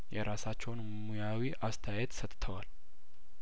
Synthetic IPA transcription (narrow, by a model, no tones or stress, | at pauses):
jɛɾʔasat͡ʃːɛwn | mujawiʔast̪ʰəjajɛt̪sət̪ʼt̪ʰəwal